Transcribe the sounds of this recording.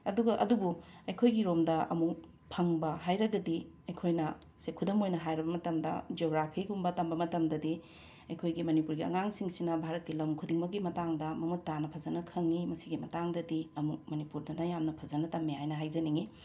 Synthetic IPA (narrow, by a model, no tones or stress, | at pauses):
ɐduɡɐʔɐ̰dubuɐjkʰojɡiɾomdɐʔɐ̰mu | pʰɐŋbɐɦajɾɐɡɐdi | ɐjkʰojnɐsekʰudɐmojnɐɦajɾɐbɐmɐtɐmdɐ̰d͡ʒoɡɾapʰiɡumbɐtɐmbɐmɐtɐmdɐdi | ɐjkʰojɡimɐnipuɾɡiɐ̰ŋaŋsiŋsinɐbʱaɾɐt̚kilɐmkʰudiŋmɐkɡimɐtaŋdɐmɐmutːanɐpʰɐzɐnɐkʰɐŋːimɐsiɡimɐtaŋdɐdiɐmuk̚mɐnipuɾdɐnɐjamnɐpʰɐzɐnɐtɐmːiɦajnɐɦajzɐniŋi